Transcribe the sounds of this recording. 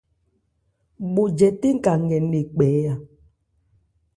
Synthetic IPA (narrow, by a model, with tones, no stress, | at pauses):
ɓo˨d͡ʒɛ˨te˦ŋ̩˦˨ka˨ŋ˨ɛ˨ne˨k͡pɛː˨˦ja˨